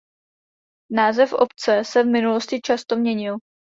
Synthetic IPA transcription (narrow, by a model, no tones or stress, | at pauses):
naːzɛfʔo̰pt͡sɛsɛvmɪnuloscɪt͡ʃast̪o̞mɲɛɲɪl